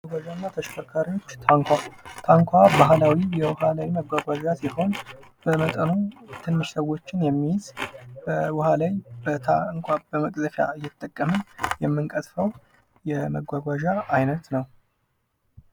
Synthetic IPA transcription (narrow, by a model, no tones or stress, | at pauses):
aɡʷaʒanːat̪ʰəʃfəɾkʰaɾijot͡ʃːt̪ʰaŋkʷʰat̪ʰaŋkʷʰabaɦlawijɛwʊhalawiməɡʷaɡʷaʒasiho̞n | b̥əmət̪ʼənut̪ʰɨnːɨʃsəwo̞t͡ʃːɪnjɛmːijɪzbəwʊhalajbət̪ʰaŋkʷʰʼabəməkʼzəfja̰ɨjːɛt̪ʰt̪ʼːəkʼːəmɨnjɛmːɨŋkʼət̪fəw | jɛməɡʷaɡʷaʒaːjnət̪nəw